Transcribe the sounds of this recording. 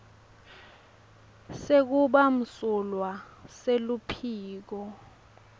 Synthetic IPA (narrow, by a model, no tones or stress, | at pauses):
sek̬uɓam̩sulwaselupʰiːk̬ɔ